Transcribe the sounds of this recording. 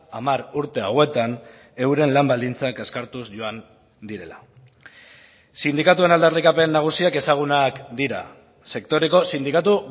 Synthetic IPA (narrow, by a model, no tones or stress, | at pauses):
amaɾuɾt̪e̞awe̞t̪an | e̞wɾe̞nlambald̪int͡sake̞skaɾt̪usʝo̞an | d̪iɾe̞la̰ | sind̪ikat̪ue̞nald̪arikape̞nːaɣ̞usiake̞saɣ̞unakd̪iɾa̰ | se̞kt̪o̞ɾe̞ko̞sind̪ikat̪u